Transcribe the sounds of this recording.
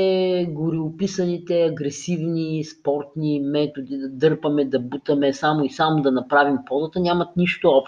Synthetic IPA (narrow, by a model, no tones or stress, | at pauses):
ɛɡʊɾiʊpisənit̪ɛɐɡɾɛsivnispɔɾt̪nimɛt̪od̪id̪ɐd̪ɤɾpɐmɛd̪ɐbut̪əmɛsamoisamod̪ɐnɐpɾavimpɔzət̪ənʲamɐt̪niʃt̪oɔpʃ